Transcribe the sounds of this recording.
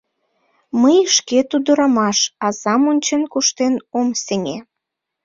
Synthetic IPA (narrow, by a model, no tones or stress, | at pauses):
məjʃket̪ud̪əɾɑmɑʃɑzɑmonʲt͡ɕenkuʃt̪enomseŋʲe